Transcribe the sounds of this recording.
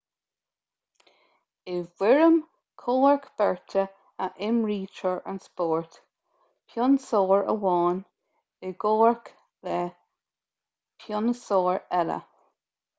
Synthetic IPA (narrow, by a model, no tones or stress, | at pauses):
ɪwɪɹəm | kʰoːɹkb̥ɛɹtə | əʔɪmɹiːt͡ʃəɹa̰nspoːɹt | pʰjɔnsoːɹə̰wɑːn | ɪɡoːɹk | lɛ | pʰjɔnəsoːɹɛlə̰